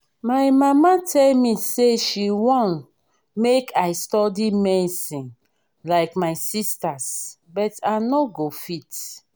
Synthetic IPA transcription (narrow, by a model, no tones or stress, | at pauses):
majmamatʰɛlmiseʃiwɔ̃n | mekʰajstɔdimɛisĩn | laɪkmajsistas | bɔtanoɡofit